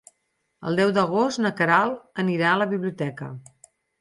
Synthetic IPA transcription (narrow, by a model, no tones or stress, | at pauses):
ə̰lˠd̪ɛwd̪əɣ̞ost̪nəkəɾalˠəniɾaələβiβliut̪ɛkə̰